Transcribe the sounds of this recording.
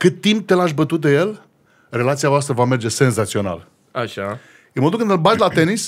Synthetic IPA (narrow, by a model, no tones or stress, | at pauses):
kɨt̪ːimp̚t̪elaʃbət̪ut̪̚d̪eje̞l | re̞lat̪siavoast̪ɾəvame̞rd͡ʒe̞se̞nzat̪sio̞na̰l | aʃa | eməd̪ukɨnd̪ɨlbat̪lat̪e̞nis